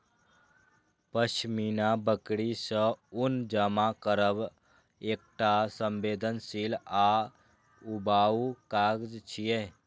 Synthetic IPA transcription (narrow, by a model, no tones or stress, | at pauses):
pəʃminabəkɽisə̃ʊnd͡ʒamakəɾəb | eːk̚ʈasəmbeːd̪ʱənsila | ubaːukaːɡd͡ʒt͡ʃʰije